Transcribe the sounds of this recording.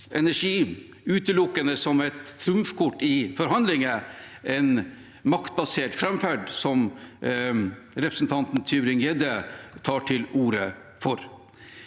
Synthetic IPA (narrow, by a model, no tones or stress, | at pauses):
ʔɛnæʂiː | ʉːt̪əlʊkːənəsɔmɛt̪ːʰɾʉmfkʰʊʈːɪfɔɾɦɑnd̪lɪŋə | ɛn | mɑkt̪̚bɑseːʈfɾɛmfæɖsɔm | ɾɛpʰɾəsn̩t̪ʰɑnt̪n̩t̪ʰyːbɾɪŋjɛd̪ət̪ʰɑːʈʰɪluːɾəfɔɾ